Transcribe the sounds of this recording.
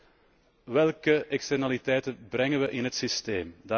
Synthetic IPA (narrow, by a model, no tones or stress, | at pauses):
ʋɛlˠkəʔɛkstɛrnalitɛjtənbɾɛŋəʋəʔɪnɦətsisteːmda